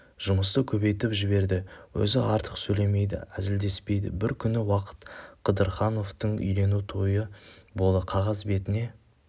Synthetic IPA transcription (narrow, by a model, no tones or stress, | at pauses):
ʒ̥ʊməst̪əkʲʰɵbe̞jt̪ɪpʒɪbe̞ɾd̪ɪwɵ̰zɪʔɑɾt̪ʰəqsɵjle̞me̞jd̪ɪ̰æ̰zɪld̪e̞spe̞jd̪ɪ̰bɪɾkʲʰʏnɪwɑqʰə̥t̪qʰəd̪əɾχɑno̞ft̪əɴʏ̰jle̞nut̪ʰo̞jəbo̞lˠəqʰɑʁɑzbe̞t̪ɪne̞